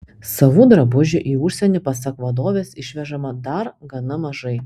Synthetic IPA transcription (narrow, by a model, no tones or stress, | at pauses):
sɐʋud̪ɾɐbʊʒʲʊʔiːʊʃʲsʲɛnʲɪpɐsɐkʋɐd̪oːʋʲeːsɪʃʲʋʲɛʒɐmɐd̪ɐɾɡɐnɐmɐʒɐɪ